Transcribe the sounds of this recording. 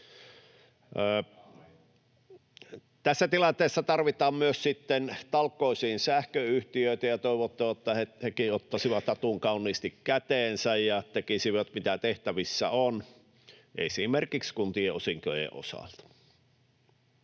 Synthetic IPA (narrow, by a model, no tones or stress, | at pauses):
t̪æsːæt̪ilɑnt̪ˑeːsːɑt̪ɑrʋit̪ɑːmmyøssit̪ːent̪ɑlkːoˑisiːnsæhkøyht̪iøˑit̪æjɑt̪oiʋot̪ːɑt̪ːɑhehekiot̪ːɑsiʋɑt̪ɑt̪uŋkɑunːˑiːst̪ikkæt̪eːnsæjjɑt̪ekisiʋɑt̪mit̪æt̪eht̪æʋisːæ̰on | ʔḛsimerkikskunt̪ieosiŋkøjḛʔʔo̰sɑ̰lt̪